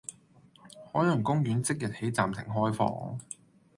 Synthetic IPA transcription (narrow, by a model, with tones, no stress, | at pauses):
hɔː˨˥jlœ˨˩ŋkʊ˥ŋjyː˨˥nt͡sɪ˥k̚jɐ˨t̚he˨˥jt͡saː˨mt̪ʰɪ˨˩ŋɦɔː˥jfɔ̰ː˥ŋ